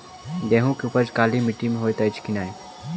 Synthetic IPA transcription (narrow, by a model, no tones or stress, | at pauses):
d̪eːɦũkupəd͡ʒkaːlimɪʈːimeɦoːjt̪ɐɪt͡ʃkinaːe